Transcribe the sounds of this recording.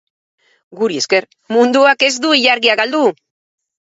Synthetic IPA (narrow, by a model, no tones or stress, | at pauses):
ɡuɾie̞ske̞ɾ | mund̪uake̞zd̪uiʎaɾɣiaɡald̪u